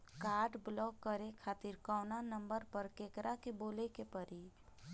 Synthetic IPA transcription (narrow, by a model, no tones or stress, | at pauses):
kaːɾɖblɔːkːəɾekʰaːt̪iɾkɔːnanə̃mbəɾpəɾkeːkɾakeboːlekepəɾi